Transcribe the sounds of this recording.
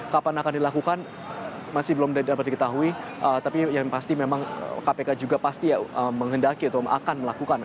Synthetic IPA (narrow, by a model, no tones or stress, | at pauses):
kapanakandilakukan | masɪhbəlɔmdapat̪̚dikət̪aɦuiʔət̪apijaŋpast̪imemaŋə̰kapekad͡ʒuɡapast̪iaəmːəŋɦəndakiut̪ʊa̰kanməlakukan